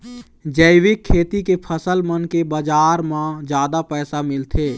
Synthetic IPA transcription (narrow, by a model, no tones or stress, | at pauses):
d͡ʒəɪwɪkʰːeːt̪ikepʰəsəlmənkebəd͡ʒaːɾmãd͡ʒjaːd̪apɛːsamɪlt̪ʰeː